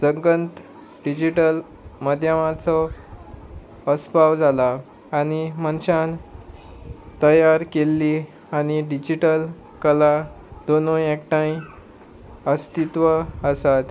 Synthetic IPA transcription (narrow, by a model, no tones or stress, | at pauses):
səŋɡənt̪ | ɖid͡ʑiʈəl | mad̪ʱjəmat͡sɔ | əspaʋd͡zʱalaː | ɽ̃imənɕan | t̪əjaɾkelːi | aɽ̃iɖid͡ʑiʈəl | kəla | d̪onõekʈãĩ | əst̪it̪ʋəəsat̪